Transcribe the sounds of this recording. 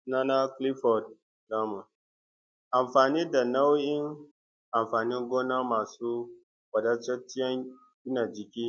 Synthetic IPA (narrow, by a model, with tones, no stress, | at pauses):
na˦na˦kli˦fɔ˨d̚ | da˦ma˨ | a˨mfaː˨ni˦da˨na˦wi˦n | a˨mfaː˨ni˦ŋɡo˦na˦ma˨su˦ | wa˨da˦t͡ʃɔ˦t͡ʃi˦ja˦n | ɡʲi˦na˨d͡ʒi˨kʲi˦